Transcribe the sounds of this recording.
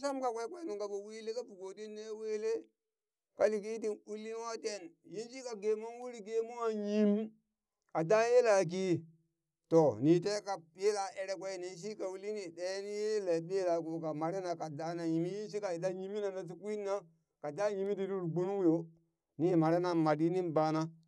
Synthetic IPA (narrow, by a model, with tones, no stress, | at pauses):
sa˦mka˨kʷe˦kʷe˦nu˨ŋka˨bo˨wi˦le˦ka˦pu˨ɡo˨di˦nːe˦we˦le˦ | ka˨li˨k̬i˦t̬i˦nu˦lːi˦n˦wa˦te˦˨nji˦nsi˦ka˨ɡe˨mo˦n˦wu˦ɾi˦ɡe˦mo˦ŋa˨ɲi˦m˦ | ka˨da˦je˦la˨k̬i˦ | to˨ni˨t̬e˦ka˨pje˦la˨ʔe˦ɾe˦kʷe˦˨ni˨s̬i˦ka˨wu˦li˦ni˨de˦ni˦je˦le˨be˦la˨ku˨ka˨ma˨ɾe˦na˨ka˨da˨˦na˨ji˨mi˦ji˦n˦s̬i˦ka˨i˨da˦ji˦mi˦na˨na˨s̬i˦ku˦i˦nːa˦ | ka˨da˦ɲi˨mi˦di˨du˦ɾɡ͡bu˦nu˦ŋ˦jo˦ | ni˦˨ma˨ɾe˦na˨ma˨di˦ni˦nba˦na˦